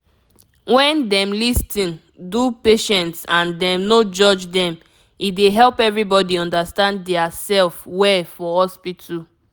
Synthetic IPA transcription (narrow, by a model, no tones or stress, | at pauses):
wɛ̃ndɛ̃mlistʰĩn | dupeʃɛ̃ntsãndɛ̃mnod͡ʒɔd͡ʒdɛ̃m | ideɦɛlpɛvɹibɔdiɔ̃ndastãnddɛasɛlfwɛfɔhɔspitʰu